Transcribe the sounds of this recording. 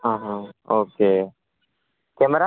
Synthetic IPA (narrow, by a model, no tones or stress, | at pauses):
ɦãːɦãoːkeː | keməɾa